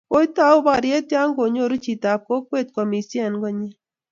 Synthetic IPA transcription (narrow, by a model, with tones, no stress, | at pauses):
o˦jta˦ʊ˦ba˨ɾje˦tja˦ŋɡo˨ɲo˦˨ɾu˦t͡ʃi˨ta˨p̚ko˦kwe˦˨t̪̚kwa˨mi˨si˦a˨nɡɔ˦ɲi˦